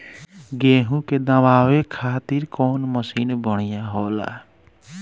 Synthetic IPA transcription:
ɡeːɦũked̪əʋaːwekʰaːt̪iɾkɔːnməsiːnbəɽ̃ijãɦoːla̰

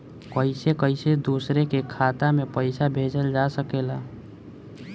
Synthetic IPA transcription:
kəɪsekəɪsed̪uːsɾekekʰaːt̪amẽpəɪsabʱeːd͡ʒəld͡ʒasəkeːlaː

